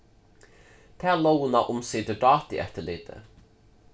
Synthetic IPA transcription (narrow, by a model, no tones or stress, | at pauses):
t̪ʰæːlownɑʔʊmsɪːd̪əɖɑːt̪ḭːʔɛt̪əɭɪːd̪̥ə̰